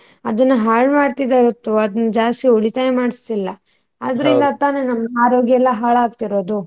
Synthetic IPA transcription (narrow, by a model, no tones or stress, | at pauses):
ɐd̪ɐnːuɦaːɭmaːɖt̪id̪aːɾut̪ːuɐd̪ɐnːud͡ʒaːst̪ioɭit̪aːjemaːɽist̪ilːɐ | aːd̪ɐɾind̪ɐt̪aːnenɐmːɐaːɾoːɡjɐɛlːɐɦaːɭaːɡt̪iɾo̞ːd̪u